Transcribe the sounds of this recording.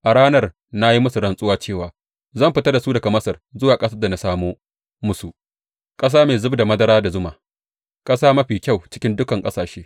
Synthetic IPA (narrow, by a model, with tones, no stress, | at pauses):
ʔa˨ɽaː˦nɐ˦r | na˦ji˦mʊ˦su˨ɾɐ˨nsʼʊ˦waː˦t͡ʃeː˦˨waː˨ | zɐ˦˨mɸɪ˦tɐ˦rda˨suː˦dɐ˨ɡa˨mɐ˦sɐ˨rzʊ˦waː˨kʼɐ˦sɐ˦da˨na˦saː˦moː˦ | mʊ˦su˨ | kʼɐ˦s̬aː˦meː˨zʊ˦bda˨mɐ˦dɐ˦ɾaː˦da˨zʊ˦maː˨ | kʼɐ˦saː˦mɐ˦ɸiː˨kʲa˦˨wt͡ʃɪ̥˦kʲɪ˦ndʊ˦kɐ˨ŋkʼɐ˦saː˨ʃeː˦